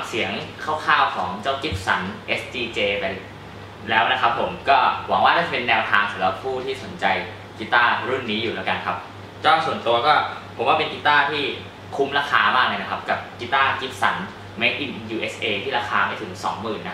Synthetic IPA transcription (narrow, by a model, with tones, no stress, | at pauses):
si˩˦əŋkʰaː˥˩wkʰaː˥˩wkʰɔː˩˦ŋt͡ɕaː˥˩wki˦˥p̚sa˩˦nʔe˦˥st͡ɕiː˧t͡ɕeː˧pa˧j | lɛː˦˥wna˦˥kʰa˦˥pʰːo˩˦mkɔː˥˩wa˨˩˦ŋwaː˥˩naː˥˩t͡ɕa˨˩pe˧nːɛː˧wt̪ʰaː˧ŋsʰa˨˩˦la˦˥pʰːuː˥˩t̪ʰiː˥˩so˩˦nt͡ɕa˧j | ki˦˥t̪aː˥˩ɾu˥˩nːiː˦˥juː˨˩lɛː˦˥wka˧nkʰa˦˥p̚ | t͡ɕɔː˥˩su˨˩ənt̪u˧ɐkɔː˥˩pʰo˨˩˦waː˥pe˧nki˦˥t̪aː˥˩t̪ʰiː˥˩ | kʰu˧˦˥mɾaː˧˥xʰaː˧maː˥˩k̚la˧jna˦˥kʰa˦˥p̚ka˨˩p̚ki˦˥t̪aː˥˩ki˦˥p̚sa˩˦n | ma˦˥˩jʔi˨˩njuː˧ʔeː˦˥sʔeː˧t̪ʰiː˥˩ɾaː˧˥kʰaː˧ma˧˩jt̪ʰɯ˩˦ŋsɔː˩˦ŋmɯː˨˩nːa˦